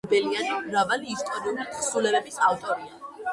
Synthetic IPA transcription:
bɛlianiɾavaliːst̪ʼɔɾiulisulɛbɛbisavt̪ʼɔɾia

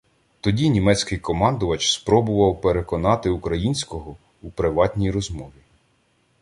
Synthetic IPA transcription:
t̪ɔdʲinʲimɛt͡sʲkɪjkɔmɑnd̪ʊʋɐt͡ʃspɾɔbʊʋɐwpeɾekɔnɑt̪ɪukɾɐjinʲsʲkɔɦɔ | upɾɪʋɑtʲnʲijɾɔzmɔʋʲi

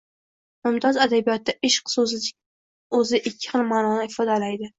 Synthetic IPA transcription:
mʊmt̪ʰɒzad̪abijɒt̪ʰːaʔɪʃqsozʲ | ɵzɪʔɪkʲʰːɪ̥χɨlˠmaːnɒnɪɪfɒd̪alajd̪ɪ

